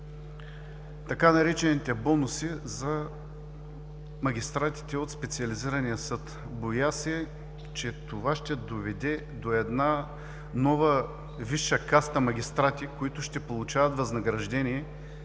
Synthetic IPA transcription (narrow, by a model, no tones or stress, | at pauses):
t̪ɐkanɐɾɛt͡ʃɛnit̪ɛbɔnʊsizɐ | mɐɡʲist̪ɾat̪i̥t̪ɛot̪spɛt̪siɐliziɾɐnijəsɤt̪ | bojasɛ | t͡ʃɛt̪ovaʃt̪ɛd̪ovɛd̪ɛ | d̪oɛd̪na | nɔvə | viʃːəkast̪əmɐɡʲist̪ɾat̪ikoit̪ʊʃt̪ɛpolˠut͡ʃavɐt̪vɐznɐɡɾɐʒd̪ɛnʲiɛ